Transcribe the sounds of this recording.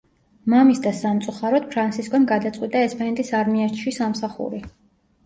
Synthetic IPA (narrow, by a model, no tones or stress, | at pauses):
mamisd̪asamt̪sʼuχaɾɔd̪̥̚pʰɾansʰiskʼɔmɡad̪at̪sʼqʼwit̪ʼaɛspʰʼɛnt̪ʼisaɾmiɛɾt͡ʃʰʃisamsaχṵɾi